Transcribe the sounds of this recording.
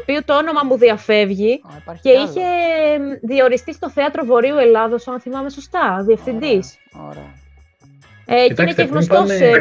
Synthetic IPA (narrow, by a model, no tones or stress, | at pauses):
piut̪oono̞mɐmuðiɐfe̞vʝice̞içe̞ | ðio̞ɾist̪ist̪oθeɐt̪ɾo̞vo̞ɾiue̞lɐðosɐnθimɐme̞so̞st̪ɐðie̞fθind̪is | ceineeɣnost̪ose